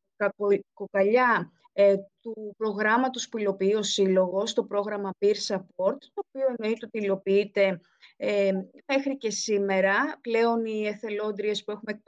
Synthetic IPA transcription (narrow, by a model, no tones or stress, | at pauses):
kokɐʎɐ | t̪upɾo̞ɣɾɐmɐt̪o̞spuilo̞piio̞silo̞ɣo̞st̪o̞pɾo̞ɣɾɐmɐpiɾsɐpo̞ɾt̪t̪o̞ːpio̞e̞no̞it̪eot̪iːlo̞piit̪e̞ | me̞xɾice̞sime̞ɾɐple̞o̞nieθe̞lo̞nd̪ɾie̞spue̞xumek̚